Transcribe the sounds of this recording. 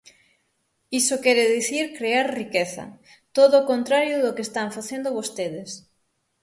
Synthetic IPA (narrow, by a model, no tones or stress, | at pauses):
isokeɾeðiθiɾkɾeaɾrikeθɐ̰ | t̪oðoːkont̪ɾaɾjoðeokest̪aɱfaθjend̪oβost̪eð̞es